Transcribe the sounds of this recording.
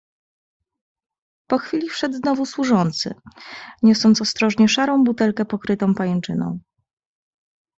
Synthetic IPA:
pɔxfʲilʲifʂɛd̪znɔvuswuʐɔnt̪sɘ̰ɲɔsɔnt̪sɔst̪ɾɔʐɲɛʂaɾɔ̃w̃but̪ɛlkɛpɔkɾɘt̪ɔ̃w̃pajɛnt͡ʂɘnɔ̰̃w̃

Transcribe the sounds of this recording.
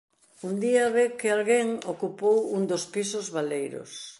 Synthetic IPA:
und̪iɐβekɪalɣeŋokupowund̪ospisʊzβalejɾʊ̰s

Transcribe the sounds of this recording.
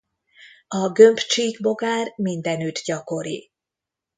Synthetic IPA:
ɒɡø̞mpt͡ʃiːɡbo̞ɡaːrmind̪ɛnyt̪ɟɒko̞ɾḭ

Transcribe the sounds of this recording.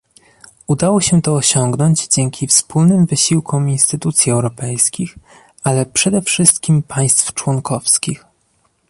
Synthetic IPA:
ud̪awɔɕɛt̪ɔːɕɔŋɡnɔɲd͡ʑd͡ʑɛŋkʲifspulnɘmvɘɕiwkʰɔminst̪ɘt̪ut̪sʲjiɛwɾɔpɛjskʲix | alɛpʂɛd̪ɛfʂɘst̪kʲimpʰaj̃st̪ft͡ʂwɔŋkʰɔfskʲix

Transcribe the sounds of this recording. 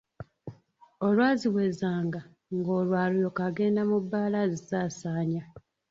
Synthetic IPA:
o̞lwaːziwezaːŋɡa | ŋɡo̞ːlwaːlujo̞kaɡe̞ːndamubːaːlazizaːsaːɲa

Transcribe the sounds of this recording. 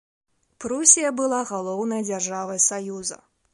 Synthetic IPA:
pɾusʲijɐbɨlˠaɣalˠɔwnɐjɐd͡zʲarʐavɐjsajuzɐ̰

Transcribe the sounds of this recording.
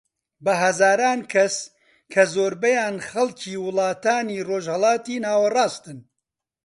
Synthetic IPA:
bɐɦɐzaːɾaːnkʰɐs | kʰɐzoːɾbɐjaːnxɐlcʰiːwɨlɑːt̪aːniːroːʒhɐlɑːt̪iːnaːwɐrɑːst̪ɨn

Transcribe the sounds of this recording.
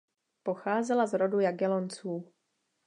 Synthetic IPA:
po̞xaːzɛlazɾo̞dujaɡɛlont͡suː

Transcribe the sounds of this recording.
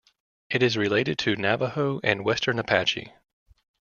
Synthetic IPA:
ʔɨɾɨzɹɨleɪɾɨd̚tʰɨnævəhoʊʔɨ̃nwɛstʰə̃˞nɨpʰæt͡ʃḭ

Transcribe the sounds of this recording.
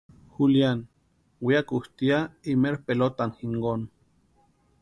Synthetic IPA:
xuljan | wiakuht̪iaimeɾpelot̪anxiŋɡon

